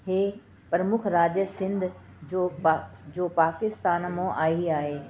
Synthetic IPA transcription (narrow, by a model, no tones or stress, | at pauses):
heː | pɾəmʊkʰɾaːd͡ʑəsɪ̃nd̪ʱ | d͡ʑoːd͡ʑoːpaːkɪst̪aːnmõʔaːiaːɦeː